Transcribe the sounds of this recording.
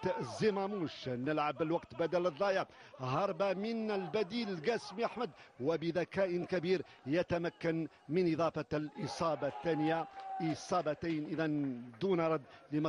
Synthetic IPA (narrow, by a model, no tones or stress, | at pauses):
t̪əʔzimamuʃnəlʕablwɑqt̪bæd̪æləðˤːɑjaɦɑɾˤbamənəlbæd̪iːlɡæsmiʔaħməd̪wəbəðækæʔənkæbiːɾ | jat̪æmakːan | mənʔɪd̪ˤɑfɑlʔɪsˤɑːbɑθːænəjaʔɪsˤɑːbɑt̪ajnʔəðænd̪unɑɾˤɑd̪ːləm